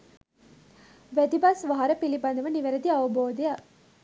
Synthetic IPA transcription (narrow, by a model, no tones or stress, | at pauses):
ʋæd̪ibɐsʋɐɦɐɾɐpilibɐnd̪ɐʋɐniʋeɾɐd̪iɐʋɐboːd̪eja